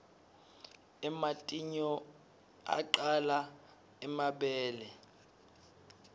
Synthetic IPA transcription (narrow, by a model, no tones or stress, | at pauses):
ɛmatʼiɲɔ | a̰ǃala | ɛmaɓɛːlɛ